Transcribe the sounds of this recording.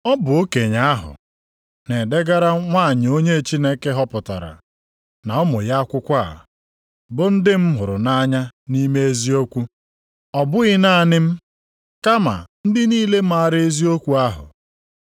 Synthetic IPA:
ɔ˦bʊ˨o˦ke˨ɲa˦a˦ɦʊ̰˨ | ne˨de˦ɡa˦ɾa˦ŋʷa˦˨ɲɪ˨o˦ɲe˦˨t͡ʃi˦ne˦ke˦ɦɔ˦pʊ˨ta̰˨ɾa̰˨ | na˨ɔ˦mʊ˨ja˦a˦kʷʊ˦kʷa̰˦˨ | bʊ˨n̩˦dɪ˦m̩˦ɦʊ˨ɾʊ˨na˦ɲa˦ni˦me˦e˦zi˦o˦kʷu˦ | ɔ˨bʊ˦ɣɪ˦na˦˨nɪ˦m̩˦ | ka˦ma̰˨n̩˦dɪ˦niː˦le˦m̩˦a˦˨ɾe˦zi˦o˦kʷu˦a˦ɦʊ̰˨

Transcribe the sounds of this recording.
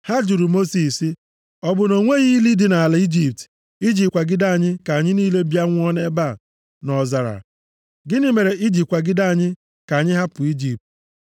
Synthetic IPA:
ha˦d͡ʒu˨ɾu˨mo˦si˨si˦ | ɔ˦bʊ˨no˨ŋʷe˦ɣi˦li˦dɪ˨na˨la˨˦i˦d͡ʒi˨p̚t | i˦d͡ʒi˨p̚kʷa˨ɡɪ˦da˦a˨ɲɪ˦ka˨ɲɪ˦niː˦le˦bja˦ŋʷ˦ɔ˦ne˦ba˦˨ | nɔ˨za˨ɾa̰˨ | ɡɪ˦nɪ˦me˨ɾe˨ʔi˦d͡ʒi˨p̚kʷa˨ɡɪ˦da˦a˨ɲɪ˦ | ka˨ɲɪ˦ɦa˦pʊ˨i˦d͡ʒi˨p̚t

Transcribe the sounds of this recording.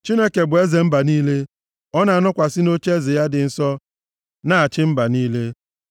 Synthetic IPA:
t͡ʃi˦ne˦ke˨bʊ˨e˦ze˨m̩˦ba˨niː˦le˦ | ɔ˦na˨a˨˦nʊ˦kʷa˨sɪ˦no˦t͡ʃe˦ze˨ja˦dɪ˨n̩˦sɔ˦ | na˦˨a˨t͡ʃɪ˦m̩˦ba˨niː˦le˦

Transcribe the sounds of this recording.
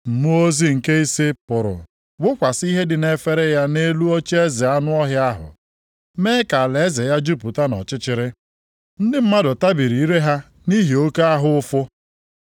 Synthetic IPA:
m̩˨mu˦o˦zi˦ŋ̩˨ke˦i˦si˦pʊ˨ɾʊ̰˨ | wʊ˦kʷa˨si˦ɦe˦dɪ˨ne˦fe˦ɾe˦ja˦ne˦lu˦o˦t͡ʃi˦e˦ze˨a˦nʊ˦ɔ˦ɦja˦ɦʊ̰˨ | meː˦ka˨a˨le˨˦ze˨ja˦d͡ʒu˦pu˨ta˦nɔ̰˨t͡ʃɪ˦t͡ʃɪ˨ɾɪ˦ | n̩˦dɪ˦m̩˦ma˦dʊ˨ta˦bi˨ɾi˨˦ɾe˦ɦa˦ | ni˦ɦi˨o˦ke˦a˦ɦʊ˦ʊ˦fʊ˦

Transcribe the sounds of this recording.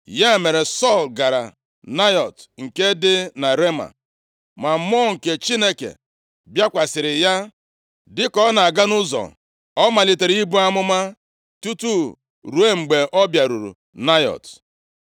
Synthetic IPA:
ja˦e˨me˨ɾe˨sɔ˦˨lɡa˨ɾa̰˨ | na˦jɔ˨tŋ̩˨ke˦dɪ˦na˨ɾe˦ma̰˨ | ma˨m˦ɔ˦ŋ̩˨ke˨t͡ʃi˦ne˦kḛ˨ | bja˦kʷa˨sɪ˨ɾɪ˨ja˦ | dɪ˦kɔ˦na˨a˨ɡa˦nʊ˦zɔ̰˨ | ɔ˦ma˨li˨te˨ɾi˦bu˦a˦mʊ˦ma˦ | tu˦tu˦ | ɾu˨e˦ŋ͡m̩˨ɡ͡be˨ʔɔ˦bja˨ɾu˨ɾṵ˨ | na˦jɔ̰˨t

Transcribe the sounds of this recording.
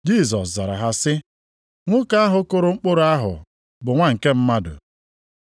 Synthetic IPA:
d͡ʒi˦˨z̬ɔ˨sza˨ɾa̰˨ɦa˦sɪ˦ | ŋʷʊ˦ka˦a˦ɦʊ˨kʊ˦ɾʊ˨ŋ͡m̩˦k͡pʊ˦ɾʊ˨a˦ɦʊ̰˨ | bʊ˨ŋʷa˦ŋ̩˨ke˦m̩˦ma˦dʊ̰˨

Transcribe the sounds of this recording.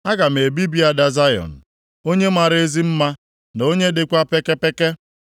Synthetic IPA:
a˦ɡa˨m̩˨e˨bi˦bi˦a˨da˨za˦jɔ̰˨n̩˨ | o˦ɲe˦ma˨ɾe˦zi˦m̩˦ma˦ | n˨o˦ɲe˦dɪ˨kʷa˦pe˦ke˦pe˦ke˦

